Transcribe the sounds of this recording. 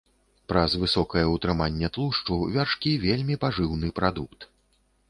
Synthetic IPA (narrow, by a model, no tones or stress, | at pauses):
pɾɐzvɨsɔkɐjɐut̪ɾɨmanʲːɛt̪lˠuʂt͡ʂuvʲarʂkʲivʲelʲmʲipaʐɨwnɨpɾad̪ukt̪